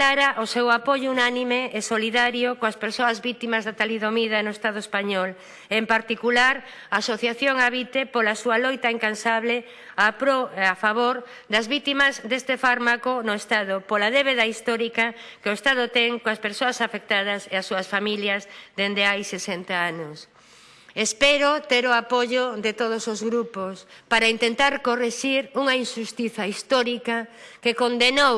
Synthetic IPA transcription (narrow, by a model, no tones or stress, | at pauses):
laɾaʔosewapoʎounanimeːsoliðaɾjokoaspeɾsoɐzβit̪imɐzðat̪aliðomiðɐnoest̪aðoespaɲɔl | empaɾt̪ikulaɾ | aːsoθjaθjoŋaβit̪epolasualojt̪aiŋkansaβle | apɾoafaβoɾ | d̪ɐzβit̪imɐzd̪est̪efaɾmakonoest̪aðopolaðeβeðaist̪ɔɾikɐkeoest̪að̞ʊt̪ɛŋkõaspeɾsoɐsafek̚t̪að̞ɐseasːuɐsfamiljɐzd̪end̪eajsesent̪aanʊs | espeɾot̪eɾoapoʝoðet̪oð̞osozɣɾupospaɾaint̪ent̪aɾkoreʃiɾuŋainʃust̪iθɐist̪ɔɾikɐkekond̪enow